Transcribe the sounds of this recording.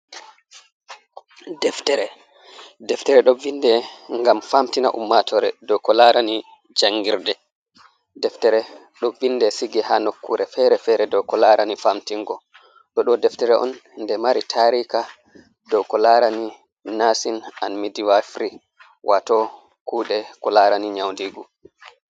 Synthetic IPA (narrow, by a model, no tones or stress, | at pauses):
dɛftɛɾɛ | dɛftɛɾɛɗɔvindɛŋɡamfamtina̰ʔṵmːatʰɔɾɛdɔkɔlaɾani | d͡ʒaŋɡiɾdɛ | dɛftɛɾɛ | ɗɔvindɛsiɡɛhanokːuɾɛfɛɾɛfɛɾɛdɔwkɔlaɾanifamtiŋɡɔ | ɗɔɗɔdɛftɛɾɛʔɔ̰nndɛmaɾitʰaɾika | dɔwkɔlaɾani | nasina̰nmidiwafɾi | wʔatɔ | kuːɗɛkɔlaɾaniɲawndiɡu